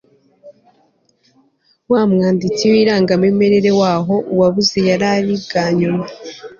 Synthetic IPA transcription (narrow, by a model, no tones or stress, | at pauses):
waːmŋaːndit͡siwiɾaːŋɡameme̞ɾe̞ɾe̞waːɦo̞ʔuwaβuzejaɾaɾibɡaːɲuma